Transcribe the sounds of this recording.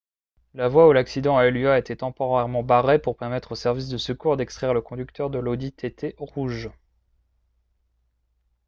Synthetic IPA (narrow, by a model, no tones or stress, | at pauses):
lavwaulaksid̪ɑ̃aɛlɥaet̪ɛt̪ɑ̃pɔʁɛʁmɑ̃baʁepuʁpɛʁmɛt̪χosɛʁvis̬d̪əsəkuʁd̪ɛkst̪χɛʁləkɔ̃d̪yk̚t̪œʁd̪əlod̪it̪ʰet̪ʰeʁuʒ